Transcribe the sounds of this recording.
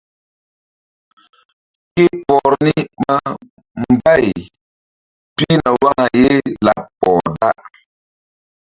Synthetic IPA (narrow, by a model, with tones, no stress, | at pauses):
ke˦pɔ˨ɾni˦ma˦ | mba˦˨j | pi˦na˨wa˦ŋa˨je˦la˨pːɔ˨da˦